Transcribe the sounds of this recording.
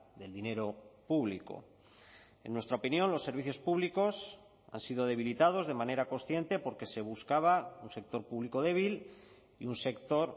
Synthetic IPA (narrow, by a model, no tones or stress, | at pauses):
ðe̞ld̪ine̞ɾo̞puβliko̞̰ | e̞̰nːwe̞st̪ɾaopinjo̞nlo̞sːe̞ɾβiθjo̞spuβliko̞s | a̰nsiðo̞ð̞e̞β̞ilit̪að̞o̞zðe̞mane̞ɾako̞nsθje̞nt̪e̞po̞ɾke̞se̞β̞uskaβ̞aunse̞k̚t̪o̞ɾpuβliko̞ðe̞β̞il | ḭunse̞kt̪o̞ɾ